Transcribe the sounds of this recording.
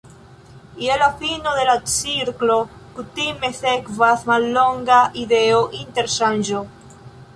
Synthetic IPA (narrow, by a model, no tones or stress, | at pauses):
ialafinoðelasiɾklokut̪imeθekvaθmaloŋɡaʔiðeoʔint̪eɾsanʒo